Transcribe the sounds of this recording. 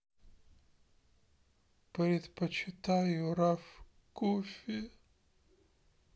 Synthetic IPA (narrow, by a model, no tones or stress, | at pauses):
pɾʲɪt̪pət͡ɕɪt̪ajʊɾaf | kufʲɪ